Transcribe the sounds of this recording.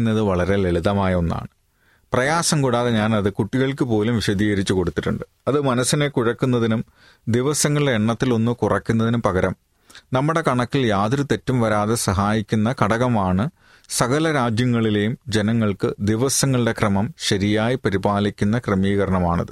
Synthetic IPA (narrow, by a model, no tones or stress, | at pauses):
nːɐðɨʋɐɭɐɾe̞leɭiðɐmaːjɐo̞nːa̰ːɳɨ | prɐjaːsɐmkuɽaːðeɲaːnɐðɨkuʈːiɣɐɭkɨpo̞ːlumʋiɕɐd̪iːɣɐɾit͡ɕːuko̞ɽut̪ːiʈːuɳɖɨ | ɐðɨmɐnɐsːinekuɻɐkːunːɐðinum | d̪iʋɐsɐŋːɐɭɨɽeeɳːɐt̪ːilo̞nːɨkurɐkːunːɐðinumpɐɣɐɾɐm | nɐmːuɽe̞kɐɳɐkːiljaːðɾut̪e̞tːumʋɐɾaːðe̞sɐɦaːjikʲːunːɐkɐɽɐɣɐmaːɳɨ | sɐɣɐlɐɾaːd͡ʑjɐŋːɐɭile̞jumd͡ʑe̞nɐŋːɐɭkɨd̪iʋɐsɐŋːɐɭɨɽe̞krɐmɐmɕɐɾijaːjipɐɾibaːlikʲːunːɐkrɐmiːɣɐɾɐɳɐma̰ːɳɐ̰ðɨ